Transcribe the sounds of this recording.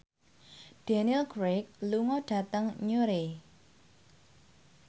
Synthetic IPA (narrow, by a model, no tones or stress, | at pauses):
ɖ̥anilɡ̥ɾek̚luŋɔɖ̥ä̤t̪əŋɲoɾe